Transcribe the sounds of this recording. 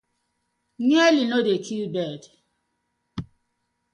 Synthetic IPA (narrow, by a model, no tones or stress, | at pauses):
ɲelinodetʰibɛd